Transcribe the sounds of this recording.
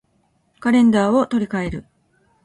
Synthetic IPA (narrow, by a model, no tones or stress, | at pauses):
kaɾẽ̞nd̪aːo̞t̪o̞ɾʲikae̞ɾɯ̟